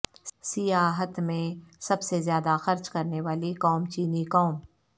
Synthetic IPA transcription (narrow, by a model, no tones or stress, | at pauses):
sɪjaːɦət̪mẽsɐbsezjaːd̪axɐɾt͡ʃkɐɾneʋaːlikɔːmt͡ʃiːnikɔːm